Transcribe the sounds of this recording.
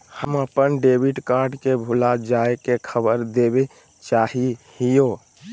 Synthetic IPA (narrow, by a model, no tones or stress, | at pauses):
həməpənɖebʱiʈkaɾɖkebʱulad͡ʒaekekʰəbəɾd̪ebe | t͡ʃaɦihijo